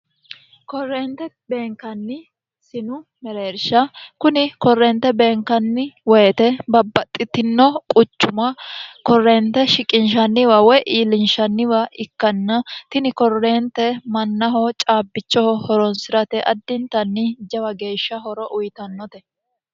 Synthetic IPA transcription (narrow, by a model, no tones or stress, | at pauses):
kɔrːeːnt̪ɛ | be̞ːŋkɐnːɪ | sɪnʊmɛɾe̞ːɾʃɐkʊnɪkɔrːent̪ːɛbe̞ːŋkɐnːɪwɛjt̪ɛbɐbːɐt̪ʼːɪt̪ɪnːɔkʼʊt͡ʃːʊmɐkɔrːeːnt̪ːɛʃɪkʼɪnʃɐnːɪwɐwɔjʔiːlɪnʃɐnːɪwɐɪkːɐnːɐt̪ɪnɪkɔrːe̞ːnt̪ɛmɐnːɐɦɔt͡ʃʼaːbːɪt͡ʃːɔhɔhɔɾɔnsɪɾɐt̪ɛʔɐd̪ːɪnt̪ɐnːɪd͡ʒɐwɐɡe̞ːʃːɐɦɔɾɔʔʊjt̪ɐnːɔt̪ɛ